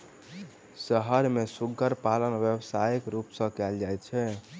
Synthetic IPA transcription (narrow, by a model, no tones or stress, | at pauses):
səɦəɾmesuɡʱəɾpalənʋjəbsajikɾupsə̃kɛld͡ʒajt͡ʃʰɛ